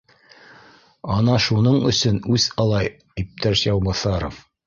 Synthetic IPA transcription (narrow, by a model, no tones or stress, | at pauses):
ɑnɑʃunɤɴɵ̆sɵnʉzɑlˠɑj | ip̚t̪æʃjɑwbɑθɑɾof